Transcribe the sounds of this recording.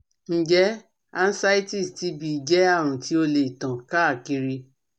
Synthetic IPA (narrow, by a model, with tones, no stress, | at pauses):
n̩˦d͡ʒɛ˨˦ | a˦˧n̩˦sa˦i˦ti˦˨sti˧˦bi˧˨d͡ʒɛ˨˦a˦˨ɾ̃ũ˨ti˨˦o˧le˨i˨tã˨ka˦a˦˨ki˧ɾi˧